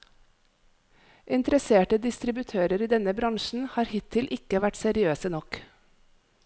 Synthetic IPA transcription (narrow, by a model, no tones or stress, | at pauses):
ʔɪnt̪əɾəseːʈəd̪ɪst̪ɾɪbʉt̪ʰøːɾəɾiːd̪ɛnəbɾɑŋʃn̩hɑːɾhɪt̪ʰɪlʔɪkəʋæʈsɛɾɪøːsənɔk